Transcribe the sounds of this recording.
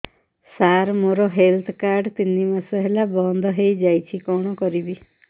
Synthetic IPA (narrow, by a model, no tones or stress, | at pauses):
saɾmoɾɔɦelt̪ʰkaɾɖt̪inimasɔɦelabɔnd̪ʱɔɦejd͡ʒajt͡ʃʰikɔɽ̃ɔkɔɾibi